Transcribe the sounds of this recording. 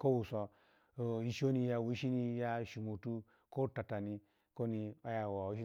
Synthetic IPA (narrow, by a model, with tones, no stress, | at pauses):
ko˦wu˨sɔ˨ | ji˨ʃo˦ni˦ja˨wu˦ʃi˦ni˧ja˦ʃi˨mo˨tu˦ | ko˦ta˨ta˨ni˦ | ko˦ni˧a˦ja˨wa˨wu˨˦ʃi˦